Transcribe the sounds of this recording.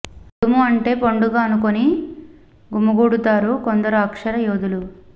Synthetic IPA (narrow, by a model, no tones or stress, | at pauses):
umuɐɳʈe̞ːpoɳɖuɡaːɐnukoni | ɡumɐɡuːɽut̪aːɾukond̪ɐɾuɐkʂɐɾɐjoːd̪ulu